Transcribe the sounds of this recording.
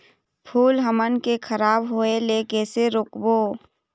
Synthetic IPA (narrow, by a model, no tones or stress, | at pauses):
pʰuːlɦəmənkekʰəɾaːbɦoːelekeːseɾʊkboː